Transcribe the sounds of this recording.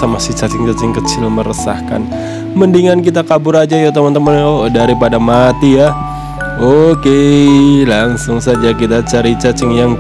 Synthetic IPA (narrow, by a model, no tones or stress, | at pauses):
amasit͡ʃat͡ʃɪŋt͡ʃat͡ʃɪŋkət͡ʃɪlməɾəsa̰hka̰n | məndiŋankit̪akabʊɾad͡ʒajot̪əmənt̪əmənodaɾipadamat̪ija | oke | laŋsʊŋsad͡ʒakit̪at͡ʃaɾit͡ʃat͡ʃɪŋjaŋ